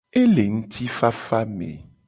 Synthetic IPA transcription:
e˦le˨ŋ̩̃˦t̪ʰi˦fa˦fa˦mḛ˨

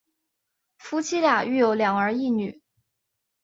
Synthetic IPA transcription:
fu˥t͡ɕʰi˥lja˨˩y˥˩jo˧˥ʊljɑ˨˩ŋə˞˧˥i˥˩ny˨˩˦

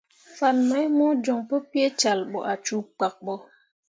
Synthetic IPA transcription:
fa˨nma˦jmo˦d͡ʒo˨ŋpə˦pi˦e˦t͡ʃa˨lɓo̰˨ʔa˨t͡ʃu˦k͡pa˨k̚ɓo˦

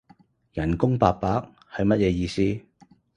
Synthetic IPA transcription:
jɐ˨˩nkʊ˥ŋpaː˧k̚pːaː˨˥k̚ | hɐ˨˧jmɐ˥t̚jɛː˨˧jiː˧siː˥

